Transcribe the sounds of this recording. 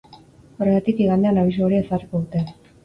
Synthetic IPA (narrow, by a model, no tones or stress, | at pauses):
oreɣat̪ikiɣand̪e̞anaβis̬uoɾiesarikoðut̪e